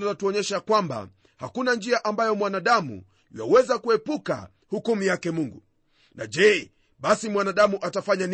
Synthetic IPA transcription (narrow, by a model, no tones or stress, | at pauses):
latuɔɲɛʃakwamba̰ | hakunand͡ʒiaʔambajɔmwanaɗamṵ | ja̰wɛzakuɛpuka̰ | hukumujakɛmuŋɡu | na̰ʄɛ | ɓasimwanaɗamuʔatafaɲan